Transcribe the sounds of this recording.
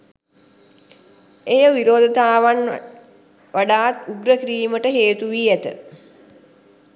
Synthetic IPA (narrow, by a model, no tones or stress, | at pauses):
ejəʋiɾoːd̪ət̪aːʋan | ʋaɖaːt̪uɡɾəkɾiːməʈəɦeːt̪uʋiæt̪ə̰